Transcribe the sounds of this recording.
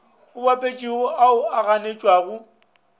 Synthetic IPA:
ʊbapʼet͡ʃʼiɔʔaʊaɣanet͡ʃʼwaːɣʊ

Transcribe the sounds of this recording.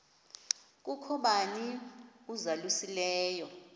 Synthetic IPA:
k̬ʼukʰɔɓaniuzalusilɛːjɔ

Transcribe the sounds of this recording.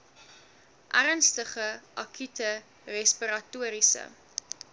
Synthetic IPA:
ʔæɾənstəχəʔɐkʰytə | rɛspiɾɐtuəɾisə̰

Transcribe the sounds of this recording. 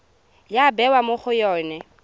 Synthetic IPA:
jabɛwamoχʊjɔːnɛ

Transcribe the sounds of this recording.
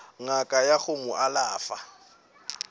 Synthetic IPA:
ŋakʼajaχʊmʊʔalaːfa

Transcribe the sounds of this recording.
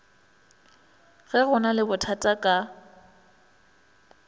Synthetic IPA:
ɣɛɣʊnalɪbʊtʰatʼakʼa

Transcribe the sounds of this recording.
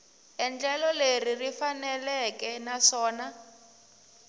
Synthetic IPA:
ɛnd͡ɮɛlɔleririfanɛlɛkɛnaʂɔːna

